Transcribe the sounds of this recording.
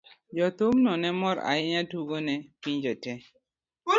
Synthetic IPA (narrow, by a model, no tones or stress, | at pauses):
d͡ʒɔt̪omnɔnɛmɔɾa̰ɪɲatuɡonɛpiɲd͡ʒɔtɛ